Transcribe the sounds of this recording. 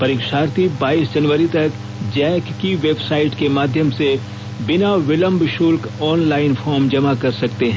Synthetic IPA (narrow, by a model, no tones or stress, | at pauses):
pɐɾiːkʃaːɾt̪ibaːiːsd͡ʒɐnʋəɾit̪ɐk | d͡ʒɛːkːiʋeːbsaːɪʈkemaːd̪ʱjəmse | bɪnaʋɪlə̃mbʃuːlkɔːnlaːɪnfɔːɾmd͡ʒɐmakɐɾsɐkt̪eɦɛ̃